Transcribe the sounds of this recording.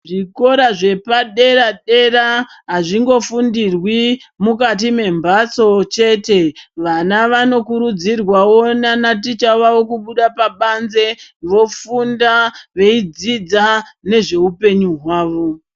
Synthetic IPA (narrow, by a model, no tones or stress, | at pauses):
ʐiko̞ɾaʐe̞paɗe̞ɾaɗe̞raɦaʐiŋɡo̞fundirwimukat̬ime̞mbaso̞t͡ʃe̞te̞ʋanaʋano̞kuɾud͡zirwawonanat̬it͡ʃaʋawo̞kuɓuɗapaɓanze̞ʋo̞fundaʋe̞id͡zid͡zane̞ʐe̞upe̞ɲuɦwaːʋo̞